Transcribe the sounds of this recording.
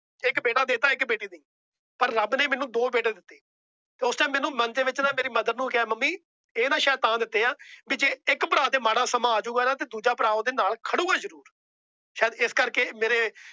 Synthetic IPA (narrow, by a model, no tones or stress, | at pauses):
ɪkbeːʈaːd̪eːt̪aːɪkbeːʈiːd̪ĩː | pəɾːəbneːmɛːnũːd̪oːbeːʈeːd̪ɪt̪ːeː | t̪eːʊst͡ʃaːmɛ̃ːnũːmənd̪eːʋɪt͡ʃnãːmeːɾiːməd̪əɾnũːkɛːməmːiː | eːnaːʃɛːt̪ãːd̪ɪt̪ːeːaːbiːd͡ʒeːɪkpəɾaːd̪eːmaːɽaːsəmãːaːd͡ʒuːɡaːnaːt̪eːd̪uːd͡ʒaːpəɾaːõːd̪eːnaːlkʰəɽuːɡaːzəɾuːɾ | ʃɛːd̪ɪskəɾkeːmeːɾeː